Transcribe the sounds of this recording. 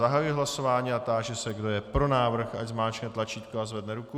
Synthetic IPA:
aɦajuiɦlaso̞vaːɲiːat̪aːʒɛsɛɡdo̞jɛpɾo̞naːvr̩xaɟzmaːt͡ʃknɛt̪lat͡ʃiːt̪koazvɛdnɛɾuku

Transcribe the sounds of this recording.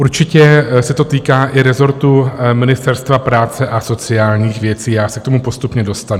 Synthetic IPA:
uɾt͡ʃɪcɛsɛt̪o̞t̪iːkaːʔɪɾɛzo̞ɾt̪umɪnɪst̪ɛɾst̪vapɾaːt͡sɛʔaso̞t͡sɪaːlɲiːxvjɛt͡siːjaːsɛk̚t̪o̞mupo̞st̪upɲɛdo̞st̪anu

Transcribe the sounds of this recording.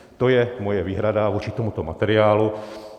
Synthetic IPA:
t̪ɔjɛmɔjɛʋiːɦɾadavɔt͡ʃit̪ɔmut̪ɔma̰t̪ɛɾɪaːlu

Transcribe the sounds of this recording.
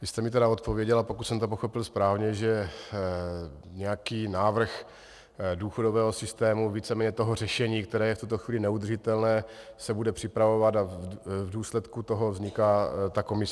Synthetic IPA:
vɪst̪ɛmɪt̪ɛdaot̪̚po̞vjɛɟɛlapo̞kut̪sɛmt̪op̬oxo̞pɪlspɾaːvɲɛʒɛ | ɲɛjakiːnaːvr̩x | duːxo̞do̞vɛːɦo̞sɪst̪ɛːmuviːt͡sɛmɛːɲɛt̪o̞ɦor̝ɛʃɛɲiːkt̪ɛɾɛːjɛft̪ut̪o̞xvʋiːlɪnɛud̪r̩ʒɪt̪ɛlnɛːsɛbudɛpr̥ɪpɾavo̞vat̪avduːslɛt̪kut̪o̞ɦo̞vzɲɪkaːt̪ako̞mɪs

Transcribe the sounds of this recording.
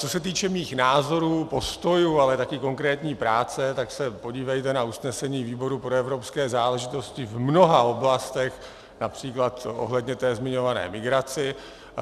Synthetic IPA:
t͡sosɛt̪iːt͡ʃɛmiːxnaːzo̞ɾuːpo̞st̪o̞jualɛt̪akɪko̞ŋkɾɛːt̪ɲiːpɾaːt͡sɛt̪aksɛpo̞ɟiːvɛjt̪ɛnausnɛsɛɲiːviːbo̞ɾupɾoɛvɾo̞pskɛːzaːlɛʒɪt̪o̞scɪvmno̞ɦao̞blast̪ɛx | napr̥iːklat̪ʔo̞̰ɦlɛd̪ɲɛt̪ɛːzmɪɲo̞vanɛ̰ːmɪɡɾat͡sɪ

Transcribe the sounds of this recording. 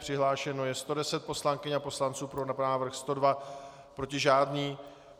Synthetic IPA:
pr̥ɪɦlaːʃɛno̞jɛst̪o̞dɛsɛt̪̚po̞slaŋkɪɲapo̞slant͡suːpɾonnaːvr̩xst̪o̞dva | pɾo̞cɪʒaːdɲiː

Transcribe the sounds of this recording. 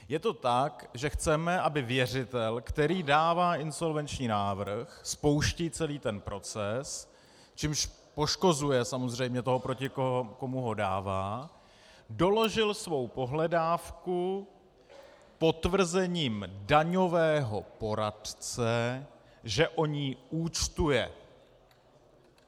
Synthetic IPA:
jɛt̪o̞t̪ak | ʒɛxt͡sɛmɛʔabɪvjɛr̝ɪt̪ɛlkt̪ɛɾiːdaːvaːʔɪnso̞lvɛnt͡ʃɲiːnaːvr̩xspo̞wʃciːt͡sɛliːt̪ɛnpɾʔo̞t͡sɛs | t͡ʃimʃ | po̞ʃko̞zujɛsamo̞zr̝ɛjmɲɛt̪o̞ɦopɾocɪkoko̞muɦo̞daːvaː | do̞lo̞ʒɪlsvo̞wpo̞ɦlɛdaːfku | po̞t̪vr̩zɛɲiːmdaɲo̞vɛːɦo̞po̞ɾadt͡sɛ | ʒɛʔo̞ɲiːuːt͡st̪ujɛ

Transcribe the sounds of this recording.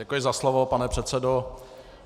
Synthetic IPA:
ɛkujɪzaslovopanɛpr̥ɛt̪t͡sɛdo

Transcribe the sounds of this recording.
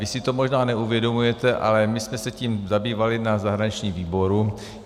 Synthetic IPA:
vɪsɪt̪o̞mo̞ʒnaːnɛuvjɛdo̞mujɛt̪ɛʔa̰lɛmɪsmɛsɛciːmzabiːvalɪnazaɦɾaɲit͡ʃɲiːmviːbo̞ɾu

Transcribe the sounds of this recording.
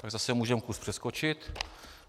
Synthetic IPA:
t̪aɡzasɛmuːʒɛmkuspr̝̥ɛskot͡ʃɪt̪

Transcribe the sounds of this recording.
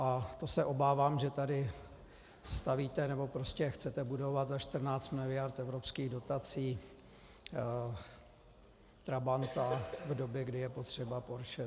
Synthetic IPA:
ʔat̪o̞sɛʔo̞baːvaːmʒɛt̪adɪ | st̪aviːt̪ɛnɛbo̞pɾo̞scɛxt͡sɛt̪ɛbudo̞vat̪zaʃt̪r̩naːt͡st̪mɪlɪjaɾt̪ɛvɾo̞pskiːɣdo̞t̪at͡siː | t̪ɾabant̪avdo̞bjɛɡdɪjɛpo̞t̪r̝̥ɛbapo̞ɾʃɛ

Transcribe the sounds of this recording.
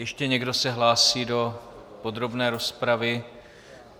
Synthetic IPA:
jɛʃcɛɲɛɡdo̞sɛɦlaːsiːdo̞po̞d̪ɾo̞bnɛːɾo̞spɾavɪ

